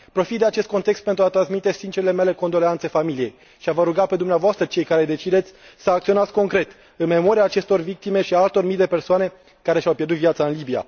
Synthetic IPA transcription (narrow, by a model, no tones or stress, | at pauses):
pɾo̞fit̪d̪e̞at͡ʃe̞st̪̚ko̞nt̪e̞kst̪̚pe̞nt̪ɾuat̪ɾansmit̪e̞sint͡ʃeɾile̞me̞le̞ko̞nd̪o̞leant̪se̞familije̞j | ʃiavəɾuɡape̞d̪umneavoast̪ɾət͡ʃe̞jkaɾe̞d̪e̞t͡ʃid̪e̞t̪sʲsəakt̪sio̞nat̪sʲko̞ŋkɾe̞t̪ | ɨnme̞mo̞ɾiaːt͡ʃe̞st̪o̞rvik̚t̪ime̞ʃiaalt̪o̞rmijd̪e̞pe̞rsoane̞ | kaɾe̞ʃʲawpʲjerd̪ut̪vijat̪saɨnlibija̰